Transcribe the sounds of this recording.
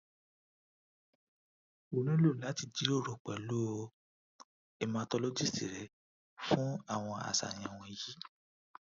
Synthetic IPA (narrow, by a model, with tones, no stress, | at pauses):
o˨ñĩ˦lo˦˨la˨˦ti˨d͡ʒi˨˦o˦˨ɾɔ˨k͡pɛ˨lo˦o˧ | ɛ˧mãː˧tɔ˧lɔ˦d͡ʒi˦˨si˨ɾɛ˨˦ | fũ˦a˦˨w̃ɔ̃˧a̰˨sa̰˨j̃ã˧˨w̃ɔ̃˧i˧ji˦